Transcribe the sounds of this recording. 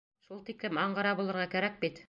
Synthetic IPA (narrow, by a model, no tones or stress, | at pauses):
ʃulˠt̪iklɘmɑɴɢɑɾɑbulˠɤ̆ɾʁɑkæɾæk̚bit̪